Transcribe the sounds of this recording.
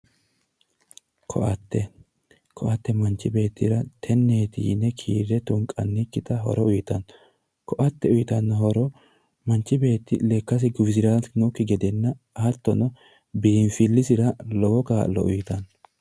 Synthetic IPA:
kʰɔ̰ʔɐt̪ːɛ | kʰɔʔɐt̪ːɛmɐnt͡ʃːɪbe̞ːt̪ːɪɾɐt̪ʰɛnːeːt̪ḭːnːɛkʰḭːɾɛt̪ʊŋkʼːɐ̰nːɪkːɪt̪ɐɦɔ̰ɾɔʊjɪt̪ɐn | kɔʔɐt̪ːɛʊjɪt̪ɐnːɐɦɔɾɔ | mɐnt͡ʃːɪbe̞ːt̪ːɪ̰leːkːɐs̬ɪɡʊbzɪɾaːsnʊkːɪɡɛd̪ɛnːɐ | hɐt̪ːɔnɔ | biːnfɪlːɪsɪɾɐlɔwɔkaːlːɔ̰ʔʊjɪt̪ɐn

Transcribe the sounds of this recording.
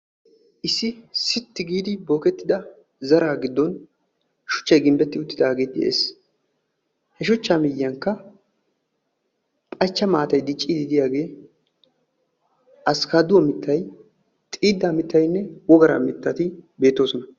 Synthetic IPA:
ʔɪsːɪsɪt̪ːɪɡiːd̪ɪbo̞ːkɛt̪ːɪd̪ɐ | zɐɾaːɡɪd̪ːɔn | ʃʊ̥t͡ʃːɐjɡɪmbɛt̪ːɪʊt̪ːɪd̪aːɡe̞ːt̪ːɪʔḛːs | hɛʃʊt͡ʃːaːmɪjːɐŋkːɐ | pʼɐt͡ʃːɐmaːt̪ɐjd̪ɪt͡ʃʼːiːd̪ɪd̪ɪjaːɡe̞ː | ʔɐskaːd̪ʊwɔmɪt̪ʰːɐj | t̪ʼiːd̪ːaːmɪt̪ːɐjnːɛwɔɡɐɾa̰ːmɪt̪ːɐt̪ɪbe̞ːt̪ːo̞ːsɔnɐ

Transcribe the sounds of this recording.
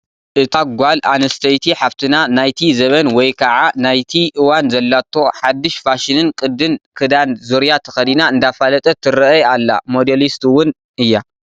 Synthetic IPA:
ʔɨt̪ʰaɡʷalanɐst̪ʰɐjt̪ʰiħaβt̪ʰɨnanajt̪ʰizɐβɐnwɔjkʰɐʕanajt̪ʰiʔɨwanzɐlːat̪ʰːo̞ħad̪ːɨʃfaʃɪnɨnkʼɨd̪ɨnkʰɨd̪anzoɾjat̪ʰɐ̥xɐd̪inaɨnd̪afalɐt̪ʼɐt̪ʰɨɾɨɐalːa̰mod̪elist̪wʊn | ɨjːa

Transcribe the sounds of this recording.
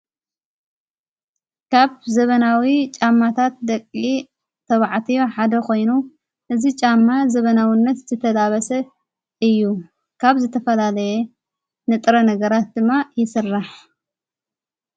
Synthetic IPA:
kʰaβzɐβɐnawit͡ʃʼamːat̪ʰat̪̚d̪ɐkʼːi | t̪ʰɐβaʕt̪ʰijo̞ħad̪ɐkʰo̞jnu | ʔɨzit͡ʃʼamːazɐβɐnawinːɐt̪zɨt̪ʰɐd̪aβɐsɐ | ɨjːu | kʰaβzɨt̪ʰɐfɐlalɐjɛ | nɨt̪ʼɾɐnɐɡɐɾat̪̚d̪ɨmːajɪsɨrːaħ

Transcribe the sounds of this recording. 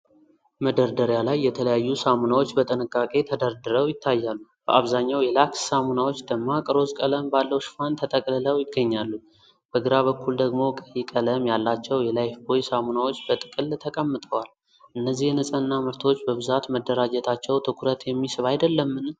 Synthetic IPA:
məd̪əɾd̪əɾjalajːɛt̪ʰələjajːusamunawo̞t͡ʃːbət̪ʼɨnɨkʼːakʼe̞t̪ʰəd̪əɾd̪ɨɾəwjɪt̪ʰːajːalːub̥ə̰ʔaβzaɲːawjɛlakssamunawo̞t͡ʃːd̪əɡmːakʼɨɾo̞zkʼələmbalːəwʃfant̪ʰət̪ʼəkʼlələwjɪɡːəɲːalːu | b̥əɡɨɾaβəkʰːuld̪əɡmo̞kʼəjikʼələmjalːat͡ʃːɛwjɛlajfbojsamunawot͡ʃːbət̪ʼɨkʼɨlt̪ʰəkʼəmːɨt̪ʼəwal | ʔɨnːəzːihnɨsʼənːaməɾt̪ʰot͡ʃːbəβɨzat̪məd̪ːəɾad͡ʒɛt̪ʰat͡ʃːɛwt̪ʰɨkʰuɾət̪jɛmːisɨβajd̪əlːəmːɨn

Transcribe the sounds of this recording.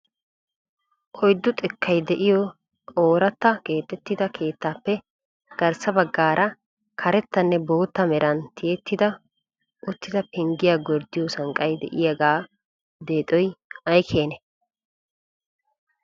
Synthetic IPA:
ʔɔjd̪ːʊt̪ʼɪkːɐjd̪ɛʔɪjɔ | ʔoːɾɐt̪ːɐkʼe̞ːt̪ːɛt̪ːɪd̪ɐkʰe̞ːt̪ːaːpːɛ | ɡ̥ɐɾsɐbɐɡːaːɾʔɐ | kʰɐɾɛt̪ːɐnːɛbo̞ːt̪ːɐmɛɾɐnt̪ʰɪjɛt̪ːɪd̪ɐ | ʔʊt̪ːɪd̪ɐpɛŋɡɪjaːɡɔɾd̪ɪjɔsɐŋkʼɐjd̪ɛ̰ʔɪjɐɡaː | d̪e̞ːt̪ʼɔjɐjkʰe̞ːnɛ

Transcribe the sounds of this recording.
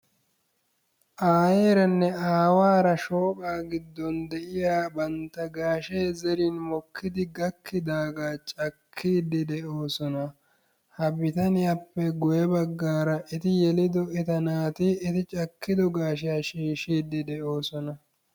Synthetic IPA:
ʔaːjeːɾɐnːɛaːwaːɾɐʃo̞ːkʼaːɡɪd̪ːɔnd̪ɛʔɪjaːbɐnt̪ːɐɡaːʃeːzɛɾɪnmɔkʰːɪd̪ɪɡɐkʰːɪd̪aːɡaːt͡ʃʼɐkʰːiːd̪ɪd̪ɛʔo̞ːsɔnɐ | hɐbɪt̪ɐnɪjɐpːɛɡʊjɛbɐɡːaːɾɐʔɪt̪ɪjɛlɪd̪ɔɛt̪ɐnaːt̪ɪːt̪ɪt͡ʃʼɐkːɪd̪ɔɡaːʃɪjaːʃiːʃiːd̪ːɪd̪ɛʔo̞ːsɔnɐ

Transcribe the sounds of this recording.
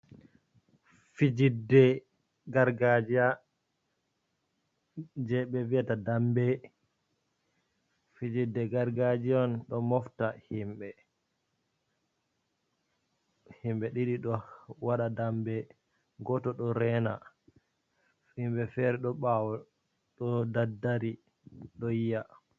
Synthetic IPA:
fid͡ʒidːɛ | ɡaɾɡad͡ʒia | d͡ʒɛɓɛviatadambɛ | fid͡ʒidːɛɡaɾɡad͡ʒiɔnɗɔmɔftahimɓɛ | himɓɛɗiɗiɗɔwaɗadambɛ | ɡɔtɔɗɔɾɛna̰ | fhimɓɛfɛɾɛɗɔɓawɔ | ɗɔdadːaɾi | ɗɔjija

